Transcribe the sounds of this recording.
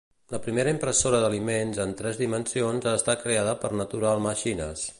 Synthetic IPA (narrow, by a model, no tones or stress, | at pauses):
ləpɾimeɾəimpɾəsoɾəðəlimenzənt̪ɾɛzðimənsionzaːst̪at̚kɾeað̞əpəɾnət̪uɾalˠməʃinə̰s